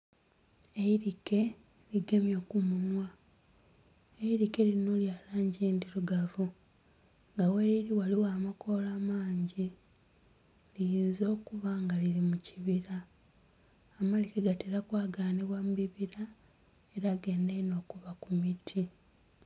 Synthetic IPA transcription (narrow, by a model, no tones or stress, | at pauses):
e̞iɾike̞ | liɡe̞mjo̞ːkumunwa | eiɾike̞linoljaːlaːɲɟiːndiɾuɡavu | ŋɡaweɾiɾiwaliwaːmakʰo̞laːmaːɲɟi | lijiːnzo̞ːkuβaŋɡalilimuciβiɾa | malikeɡateɾakwaːɡaːneβwamubiβiɾa | e̞ɾaːɡe̞ːndeino̞ːkuβakumitʰi